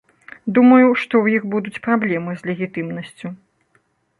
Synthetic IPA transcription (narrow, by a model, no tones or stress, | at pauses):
d̪umɐjuʂt̪ɔwjixbud̪ut͡sʲpɾablʲɛmɨzʲlʲɛɣʲit̪ɨmnɐsʲt͡sʲu